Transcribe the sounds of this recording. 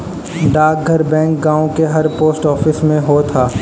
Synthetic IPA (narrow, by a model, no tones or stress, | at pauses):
ɖaːk̚ɡʱəɾbɛ̃ːŋk̚ɡãːõkeɦɐɾpoːsʈɔːfɪsmẽɦot̪ʰaː